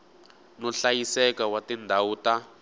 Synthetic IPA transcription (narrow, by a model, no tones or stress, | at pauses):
nɔɬajisɛkawatindʱawuːta